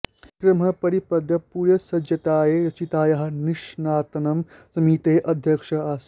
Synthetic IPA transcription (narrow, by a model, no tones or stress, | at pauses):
kɾɐmɐpɐɾipɐd̪ʱjɐpuːɾjɐsɐd͡ʒɐt̪aːjeːɐt͡ʃit̪aːjɐɦɐ̆niʃnaːt̪ɐnɐmsɐmiːt̪eːʔɐd̪ʱjɐkʂɐaːs